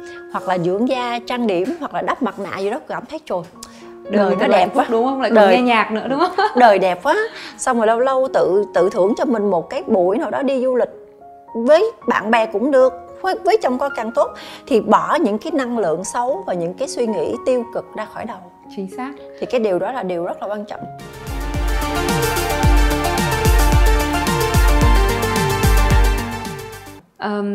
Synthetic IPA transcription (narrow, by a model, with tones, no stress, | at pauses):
hwa˨˩k̚laː˨˩zɨ̰˧˥əŋzaː˧t͡ɕaː˧ŋɗi˧˩˨əmhwa˨˩k̚laː˨˩ɗa˦˥p̚ma˨˩t̚na̰ː˧˨zɨ˨˩ɗɔ˨˦kaː˧˩mt̪ʰə˨˦jt͡ɕo˨˩j | ɗɗəː˨˩jkɔ˨˦ɗɛ˨˩paː˨˦ɗʊ˨˧˦ŋ͡mhə˧wŋ͡mla̰ː˨ɗəː˧˨˦zaː˧ɲaː˨˩k̚nɨ̰˧˥ɗʊ˨˦ŋ͡mɗəː˨˩jɗɛ˨˩p̚ʔaː˨˦sa˧wŋ͡mməː˨˩lə˧wlə˧wt̪ɨ̰˧˨t̪ɨ̰˧˨t̪ʰɨ˧˩əŋt͡ɕɔ˧mï˨˩ŋ̟mo˨˩t̚kaː˨˦jɓṵ˧˩əjnaː˨˩wɗɔ˨˦ɗi˧zu˧lï˨˩k̟̚ | vəː˨˦jɓa̰ː˧˨nɓɛ˨˩kʊ̰˧˥ŋ͡mɗɨ˨˩ək̚ː | vəː˨˦jt͡ɕɔ˧wŋ͡mkɔ˨˦ka˧ŋt̪o˦˥t̚t̪ʰi˨˩ɓɔ˧˩ɲɨ̰˧˥ŋkaː˨˦jna˧ŋlɨ̰˧˨əŋsə˨˦wvaː˨˩ɲɨ̰˧˥ŋkaː˨˦jswi˧ŋḭ˧˥t̪i˧əwkɨ˨˩k̚zaː˧xɔ˧˩jɗə˨˩w | t͡ɕi˨˧˩ŋ̚ː˦˥ | t̪ʰi˨˩kaː˨˦jɗi˨˩əwɗɔ˨˦laː˨˩ɗi˨˩əwzə˦˥t̚laː˨˩kwaː˧nt͡ɕɔ̰˧˨ŋ͡m | ʔəː˨˩